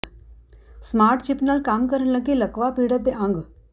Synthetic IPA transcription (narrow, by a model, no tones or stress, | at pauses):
smaːɾʈt͡ɕipnalkaːmkəɾənləɡiləkʋapiɽət̪̚d̪eʔãŋɡ